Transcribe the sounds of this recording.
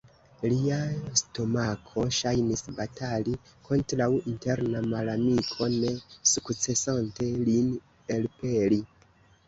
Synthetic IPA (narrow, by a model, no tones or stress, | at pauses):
liasto̞makʰo̞ʃajnisbatʰali | kʰo̞ntɾawinte̞ɾnamalamikʰo̞ne̞sukt͡se̞sante̞lin | elpe̞li